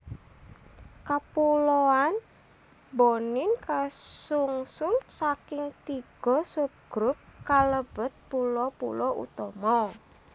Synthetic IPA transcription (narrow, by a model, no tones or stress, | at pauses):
kapulɔan | bonɪnkasuŋsʊnsakɪŋt̪iɡ̥ɔ̤sup̚ɡ̥ɾʊp̚kaləb̥ə̤t̪̚pulɔpṵlɔʔṵt̪ɔmɔ